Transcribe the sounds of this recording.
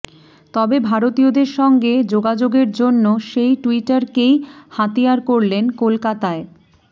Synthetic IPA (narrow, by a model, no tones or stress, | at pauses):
t̪ɔbebʱaɾot̪ijod̪eɾʃɔŋɡed͡ʑoɡad͡ʑoɡeɾd͡ʑonːoʃejʈuiʈaɾkejhat̪iaɾkoɾlenkolkat̪ae